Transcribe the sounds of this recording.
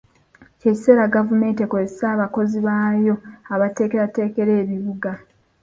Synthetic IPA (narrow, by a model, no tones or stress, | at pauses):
ceci̥se̞ːɾaɡavume̞ːntekoesaːβako̞ziβaːjo̞aβate̞ːkeɾate̞ːke̞ɾe̞ːβiβuɡa